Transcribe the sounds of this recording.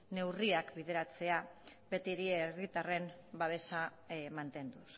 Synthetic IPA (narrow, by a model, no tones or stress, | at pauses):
ne̞wriakbiðe̞ɾat͡se̞abe̞t̪iɾierit̪are̞m | baβ̞e̞sa | mant̪e̞nd̪us